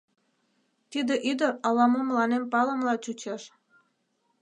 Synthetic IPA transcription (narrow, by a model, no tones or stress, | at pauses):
t̪id̪eʔyd̪əɾɑlɑmoməlɑnempɑləmlɑt͡ɕut͡ɕeʃ